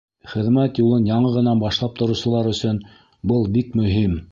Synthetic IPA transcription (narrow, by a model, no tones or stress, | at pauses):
χɘ̆ðmæt̪julˠɤnjɑɴɤʁɤ̆nɑnbɑʃlˠɑp̚t̪ŏɾŭwsɤ̆lˠɑɾɵ̆sɵn | bɤlˠbikmɵ̆ɦim